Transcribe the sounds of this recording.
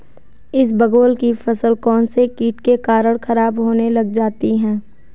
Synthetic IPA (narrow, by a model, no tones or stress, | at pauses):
ɪs̬bɐɡoːlkifɐsəlkɔːnsekiːʈkekaːɾəɽxɐɾaːbɦoːnelɐɡd͡ʒaːt̪iɦɛ̃ː